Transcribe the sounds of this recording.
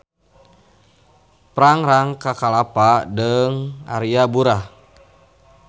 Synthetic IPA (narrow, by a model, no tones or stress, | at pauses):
pɾaŋɾaŋkakalapadəŋa̰ɾiabuɾa